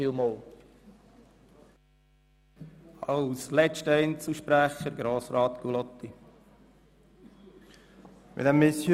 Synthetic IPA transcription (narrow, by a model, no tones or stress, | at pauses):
ɪlmol | ɑwslɛt͡ʃtəɛnt͡sl̩ʃpɾæχəɾɡɾoːsɾɑːt̪kulɔt̪ːi | mɪ̰dæmɪsj